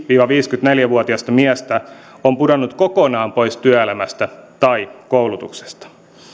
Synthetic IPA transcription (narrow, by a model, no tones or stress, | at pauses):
ʋiːʋɑʋiːskyt̪ne̞ljæʋuot̪iɑst̪ɑmiæst̪æ | ompudonːut̪kokonɑːmpo̞jst̪yæelæmæst̪æt̪ɑikowlut̪ukse̥st̪ɑ̥